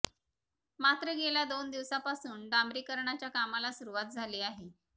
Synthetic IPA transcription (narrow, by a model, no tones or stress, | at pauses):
mat̪ɾəɡelad̪ond̪iʋsãpasuːnɖambɾiːkəɾɳat͡ɕjakamalasuɾuʋat̪̚d͡zʱaleːaɦe